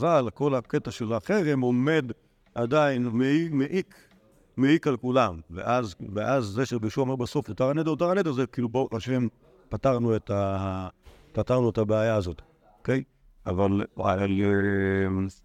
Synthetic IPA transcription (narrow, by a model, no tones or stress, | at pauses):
azalko̞laketaʃelaaχeʁemome̞d | adainmeimeʔik | meikalkulamvḛʔazveʔazzeʃebeʃuaomeʁbaso̞fjot̪aʁanet̪otaʁanetazekiluboaʃem | pataʁnueta | pataʁnuetabeajaazot | okej | ʔavala̰lem